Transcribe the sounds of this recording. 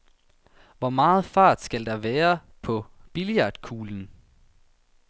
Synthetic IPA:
ʋɒmɑ̈ːð̞̩ˠfɑ̈ːd̥sɡ̥æld̥ɑ̈ʋæːɐ | pʰɒ̽b̥ilijɑ̈ːd̥kʰuːln̩

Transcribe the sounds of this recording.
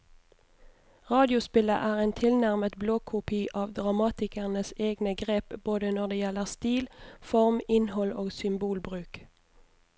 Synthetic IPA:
ʁɑːd̪ɪʊspɪlə̰ʔæːʁeːnt̪ʰɪlnæʁmət̪bloːkʰʊpʰiːʔɑːʋd̪ʁɑmɑːt̪ɪkəʁnəseːɡnəɡʁeːpboːd̪ənɔʁd̪eːjɛləʁst̪iːlfɔʁmɪnhɔloːɡsʏmbuːlbʁʉːk

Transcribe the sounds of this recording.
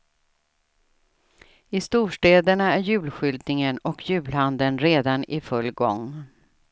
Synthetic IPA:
ɪst̪uːʂʈeːd̪əɳaæɾjʉ̟ːlɧʏld̪̚nɪŋənɔkʰjʉ̟ːlhand̪ənɾeːd̪anɪfɵlːɡɔ̰ŋ

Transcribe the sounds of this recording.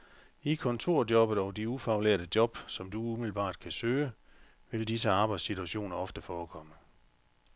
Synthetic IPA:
ikʰɒ̽nt͡sʰo̝ɐ̰djɒ̽b̥ð̩ˠɒʊd̥iufæʊlḛɐd̥əd̥jɒ̽b̥sɒ̽md̥uumil̩b̥ɑ̈ːd̥kʰæsøːə | ʋe̝ldisəɑ̈ːb̥ɑ̈ɪd̥sit͡sʰuæɕo̝̰ːnɐɒ̽fd̥əfɒːkʰɒ̽mə

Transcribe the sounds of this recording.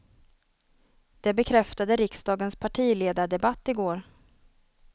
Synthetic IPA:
d̪̥ɛbɛkʰɾɛft̪ad̪əɾɪksd̪ɑːɡənspʰaʈʰiːleːd̪aɖɛbat̪ːɪɡoːɾ

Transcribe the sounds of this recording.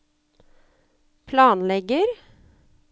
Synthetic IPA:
pʰlɑːnlɛɡəɾ

